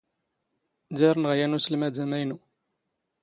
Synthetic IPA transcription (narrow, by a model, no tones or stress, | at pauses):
d̪iɾˤnʁjænusəlmæd̪æmæjnu